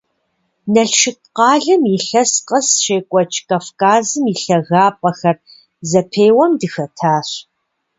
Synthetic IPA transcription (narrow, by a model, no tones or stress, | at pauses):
nɐɬʃɪp̚qɑːɮɨmjɪɬɐsqɐsʃeːkʷʼɔt͡ʃʼkʼafkʰʼaːzɨmiɬɐɣaːpʼɐxɐr | zɐpʰeːwɐmdɨxɐtʰaːɕ